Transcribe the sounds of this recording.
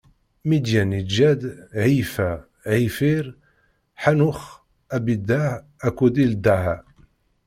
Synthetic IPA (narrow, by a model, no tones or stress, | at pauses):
mid̪jænid͡ʒæd̪ʕifa | ʕifiɾ | ħanʊx | æbid̪a | ækud̪ild̪aʕa